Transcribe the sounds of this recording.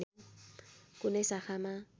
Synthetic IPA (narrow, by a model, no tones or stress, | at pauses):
kʊnɛsaχama